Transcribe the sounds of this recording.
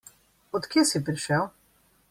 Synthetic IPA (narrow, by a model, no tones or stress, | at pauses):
ɔt̪kjeːsipɾiʃɛw